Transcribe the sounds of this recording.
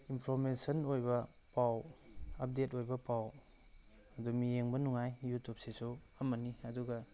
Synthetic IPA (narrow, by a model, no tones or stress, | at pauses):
impʰɾoɾmensɐnojbɐ | pawɐp̚detojbɐpaw | ɐdumijeŋbɐnuŋajjutʰup̚sesuɐmɐniɐduɡɐ